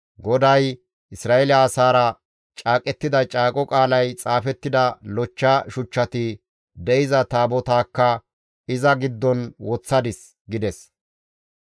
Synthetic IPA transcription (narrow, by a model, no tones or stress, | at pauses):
ɡɔd̪ɐj | ʔɪsɾaːɛlɪaːsaːɾɐ | t͡ʃʼaːkʼɛt̪ːɪd̪ɐt͡ʃʼaːkʼɔkʼaːlɐjt͡sʼaːfɛt̪ːɪd̪ɐlɔt͡ʃːaʃʊt͡ʃːɐt̪ɪ | d̪ɛɪzɐt̪aːbɔt̪aːkːɐ | ɪzɐɡɪd̪ːɔnwɔt͡sːɐd̪ɪs | ɡɪd̪ɛs